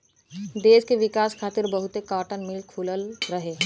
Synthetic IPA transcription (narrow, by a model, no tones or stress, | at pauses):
d̪eːʃkeʋɪkaːskʰaːt̪ɪɾbəɦʊt̪ekaːʈənmɪlkʰuləlɾəɦeː